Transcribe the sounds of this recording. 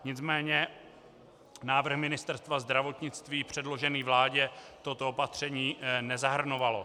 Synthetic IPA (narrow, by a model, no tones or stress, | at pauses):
ɲɪt͡smɛːɲɛ | naːvr̩xmɪnɪst̪ɛɾst̪vazd̪ɾavo̞t̪ɲɪt͡st̪viːpr̝̥ɛdlo̞ʒɛniːvlaːɟɛt̪o̞t̪oopat̪r̝̥ɛɲiːnɛzaɦr̩no̞valo̞